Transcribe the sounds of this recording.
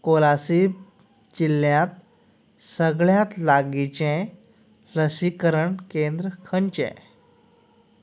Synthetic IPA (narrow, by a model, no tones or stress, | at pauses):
kolasib | t͡ɕiljãt̪ | səɡɭjat̪laɡit͡ɕẽ | ɾəsikəɾəɳkẽnd̪ɾəkʰəɳt͡ɕɛ̰̃